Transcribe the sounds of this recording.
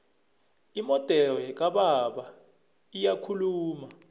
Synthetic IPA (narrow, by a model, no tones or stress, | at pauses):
imɔd̥ʱɛlɛk̬aɓaɓa | ijakʰuluːma